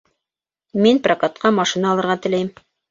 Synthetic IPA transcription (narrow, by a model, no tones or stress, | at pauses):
minprakat̪qɑmɑʃinɑːlˠɤ̆ɾʁɑt̪ɘ̆læjm